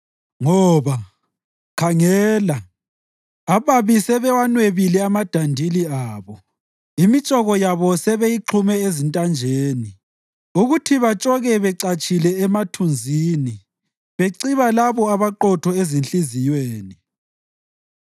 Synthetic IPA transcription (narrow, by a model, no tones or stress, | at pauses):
ŋɔːβa | kʰaŋɛːla | aβaβisɛβɛwanweβilɛamad̥ʱandʱiliaːβɔ | imit͡ʃʼɔɣɔjaβɔsɛβejiǃʰumɛezintʼand͡ʒʱeːni | uɣutʰiβat͡ʃʼɔɣɛβɛǀat͡ʃʼilɛɛmatʰund͡zʱini | βeǀiβalaβɔaβaǃɔtʰɔezinɬʼizijweːni